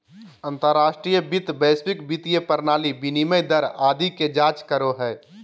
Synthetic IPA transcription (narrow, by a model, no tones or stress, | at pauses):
ə̃nt̪əɾːaːʃʈɾijəbɪt̪beːspɪkbit̪ijəpəɾnaːlibiniməjd̪əɾaːd̪iked͡ʒaːt͡ʃkəɾoɦɛː